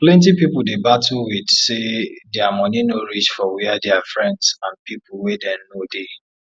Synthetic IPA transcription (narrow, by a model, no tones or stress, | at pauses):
plɛ̃nt̬ipipʊldebatuwidsedɛamɔ̃ninoɹit͡ʃfɔwiadɛafɹɛ̃ndsãnpipʊwedɛ̃mnode